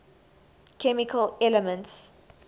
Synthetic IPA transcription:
kʰɛmikʰəlɛləmə̃nts

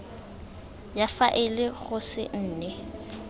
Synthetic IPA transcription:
jafaʔɪlɪɣʊsɪ̰n̩ːnɛ

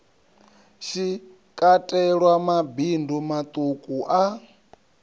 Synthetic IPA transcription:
ʃi | kʼatʼɛɺwamabindumat̪ʼukʼuʔa

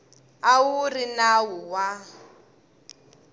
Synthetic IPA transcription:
awurinawuwa

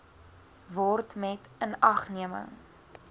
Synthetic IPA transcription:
vɔrtmɛtənɐχniəmə̰ŋ

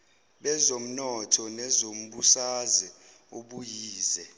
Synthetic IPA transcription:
ɓɛzom̩nɔtʰɔnɛzom̩ɓusazi | oɓujiːzɛ

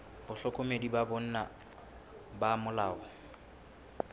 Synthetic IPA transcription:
bʊɬɔkʼomedibabon̩na | bamʊlaːɔ

